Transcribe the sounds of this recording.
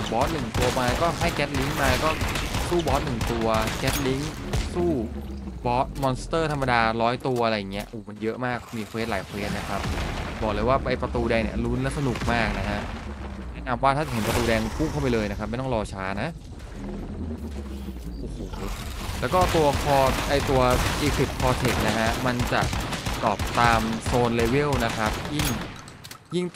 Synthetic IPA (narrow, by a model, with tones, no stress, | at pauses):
bɔː˦˥t̪̚nɯ˨˩ŋt̪u˧ɐmaː˧lɛ˦˥kɔː˥˩ɦa˥˩jkɛ˦˥t̪̚li˦˥ŋmaː˧lɛː˦˥kɔː˥˩suː˥˩bɔː˦˥t̪̚nɯ˨˩ŋt̪u˧ɐkɛ˦˥t̪̚li˦˥ŋsuː˥˩bɔː˦˥t̪̚mɔː˧nst̪ɤː˥˩t̪ʰa˧mːa˧daː˧ɾɔː˦˥jt̪u˧ɐʔa˧ɾa˧jːŋːi˦˥ɐʔoː˨˩ma˧njɤ˦˥ʔmaː˥˩k̚miː˧kʰeː˦˥laː˩˦jkʰweː˦˥t̪̚na˦˥kʰa˦˥p̚bɔː˨˩klɤː˧jwaː˥˩pa˧jpɾa˧t̪uː˧dɛ˧jnḭ˥˩ɐlu˦˥nlɛ˦˥sa˧nu˨˩k̚maː˥˩k̚na˦˥kʰa˦˥ʔɛnɛː˦˥˩na˧mwaː˥˩t̪ʰaː˥˩t͡ɕa˨˩ɦe˩˦npɾa˧t̪uː˧dɛː˧ŋpʰu˥˩ŋkʰa˥˩wpa˧jlɤː˧jna˦˥kʰa˦˥p̚ma˥˩jt̪ɔ˥ŋɾɔː˧t͡ɕʰaː˦˥na˦˥ | ɯː˧ | ʔoː˨˩hoː˧˩˦ | lɛː˦˥wkɔː˥˩t̪u˧ɐkʰɔː˧ʔa˧jt̪u˧ɐʔiː˧kʰi˨˩p̪̚kʰɔː˧t̪ʰe˨˩k̚na˦˥kʰa˦˥ma˧nt͡ɕa˨˩ʔt̪ɔː˨˩p̚t̪aː˧msoː˧nleː˧wi˥˩˨wna˦˥kʰa˦˥p̚ji˥˩ŋ | ji˥˩ŋ